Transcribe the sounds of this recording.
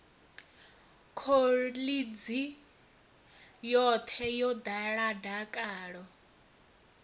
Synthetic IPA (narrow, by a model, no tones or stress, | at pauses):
kʰolid͡zi | jɔt̪ʰɛjɔd̪aɺadakʼaːɺɔ